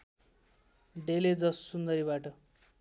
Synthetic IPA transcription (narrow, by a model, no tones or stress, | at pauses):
ɖeled͡zʌssund̪ʌɾibaʈʌ